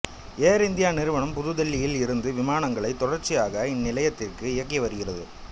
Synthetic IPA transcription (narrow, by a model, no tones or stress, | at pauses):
eːɾɪnd̪ɪjaːnɪɾɯʋɐɳɐmpʊðɯðɛlːɪjɪlɪɾɯnd̪ɯʋɪmaːnɐŋɡɐɭɐɪt̪ːɔɽɐɾt͡ʃːɪjaːɣɐɪnːɪlɐjɐt̪ːɪrkɯɪjɐk̬ːiʋɐɾɯɣɪrɐðɯ